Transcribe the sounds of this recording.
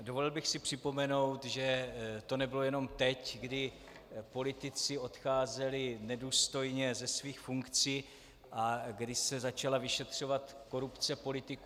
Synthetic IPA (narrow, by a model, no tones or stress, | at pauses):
dovolɪlbɪxsɪpr̝̥ɪpo̞mɛno̞wt̪ʒɛt̪o̞nɛbɪlo̞jɛno̞mt̪ɛcɡdɪ | po̞lɪt̪ɪt͡sɪo̞t̪xaːzɛlɪnɛduːst̪o̞jɲɛzɛsviːxfuŋkt͡siː | ʔaɡdɪsɛzat͡ʃalavɪʃɛt̪r̝̥o̞vat̪ko̞ɾupt͡sɛpo̞lɪt̪ɪku